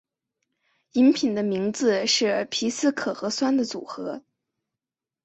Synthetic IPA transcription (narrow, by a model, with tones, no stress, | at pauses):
i˧˥npʰi˨˩nd̪ə˦mi˧˥ŋd͡zɹ̩˧ʂɻ̩˥˩pʰi˧˥sɹ̩˥˩kʰɤ˨˩xɤ˧˥swa˥nd̪ə˨t͡su˨˩xɤ˧˥